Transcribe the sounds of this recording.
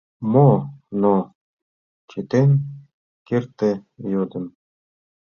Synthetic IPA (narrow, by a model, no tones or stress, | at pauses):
mono | t͡ɕet̪enʲ | kert̪ĕjod̪ə̆m